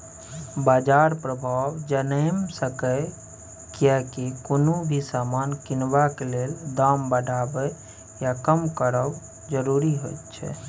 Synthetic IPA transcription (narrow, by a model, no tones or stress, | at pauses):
bad͡ʒaɾpɾəbʱawd͡ʒənəmsəkə | kijɛkekonobʱisamankinbakeleld̪ambəɖʱabə | jakəmkəɾəw | d͡ʒəɾuɾiɦojt̪t͡ʃʰɛ̰